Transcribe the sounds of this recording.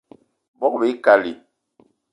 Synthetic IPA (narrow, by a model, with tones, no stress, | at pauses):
bɔ˦k̚be˨˦ka˨li˨